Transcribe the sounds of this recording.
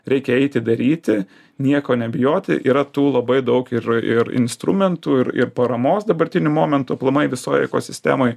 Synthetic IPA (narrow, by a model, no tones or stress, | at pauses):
ɾʲɛɪkʲɛɛɪt̪ʲɪd̪ɐɾʲiːt̪ʲɪ | nʲiɛkoːnʲɛbʲɪjoːt̪ʲɪ̰ʔiːɾɐt̪uːlˠɐbɐɪd̪ɐʊkɪɾɪɾɪ̰nst̪ɾʊmʲɛnt̪uːɪɾɪ̰ɾpɐɾɐmoːsd̪ɐbɐɾʲt̪ʲɪnʲʊmoːmʲɛnt̪uɐplˠɐmɐɪʋʲɪsoːjɛ̰ko̰ːsʲɪsʲt̪ʲæ̰ːmoːj